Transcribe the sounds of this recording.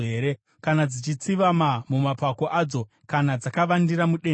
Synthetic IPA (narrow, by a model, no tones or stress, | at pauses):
ɦe̞ːɾe̞ | kanad͡zit͡ʃit͡siʋamamumapako̞ʔaːd͡zo̞ | kanad͡zakaʋandiɾamuɗe